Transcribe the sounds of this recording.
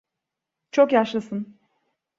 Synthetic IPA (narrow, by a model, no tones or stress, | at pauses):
t͡ʃʰo̞kjaʃlˠasɯn